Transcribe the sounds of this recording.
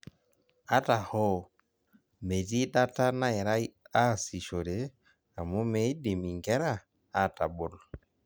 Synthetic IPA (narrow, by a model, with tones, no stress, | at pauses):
a˦ta˨hɔ˦ | me˨ti˦ɗa˦ta˦na˦ɛ˨ɾa˦i˦a˦˨si˨ʃo˨ɾe˨˦ | a˨mu˦me˦i˦di˨mi˨ŋɡɛ˦ɾa˦˨ | a˦˨ta˨bo˦na˨